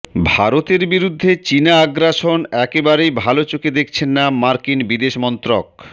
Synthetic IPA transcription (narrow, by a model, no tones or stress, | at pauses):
bʱaɾot̪eɾbiɾud̪ʱːet͡ɕinaaɡɾaʃonɛkebaɾejbʱalot͡ɕoked̪ek̚ʰt͡ɕʰenːamaɾkinbid̪eʃmɔnt̪ɾok̚